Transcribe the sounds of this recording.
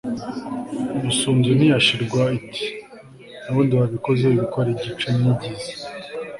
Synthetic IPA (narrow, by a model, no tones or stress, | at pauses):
imisuːmzen̥ijaʃiɾɡwaitʰi̥ | naβuːndiwaβiko̞ze̞iβikoɾebɟit͡ʃenibɟiza